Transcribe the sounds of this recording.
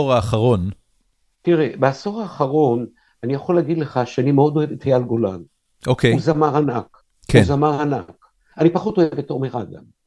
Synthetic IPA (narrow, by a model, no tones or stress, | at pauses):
oʁaːχaʁo̞n | tiʁebeaso̞ʁaːχaʁo̞n | anijaχoleaɡid̪le̞χaʃeanimeo̞do̞evet̪hajalɡo̞la̰n | ʔokeuzamaʁanak | kʰenzamaʁana̰k | anipaχuto̞evbeto̞ʁmiχaɡa̰m